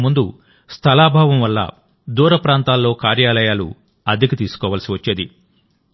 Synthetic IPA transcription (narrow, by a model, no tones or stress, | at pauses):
mund̪u | st̪ʰɐlaːbʱaːʋɐmʋɐlːɐ̰ | d̪uːɾɐpɾaːnt̪aːlːo̞ːkaːɾjaːlɐjaːlṵ | ɐd̪ikit̪iːsu̥kɔːʋɐlɐsiʋɐt͡ʃːeːd̪i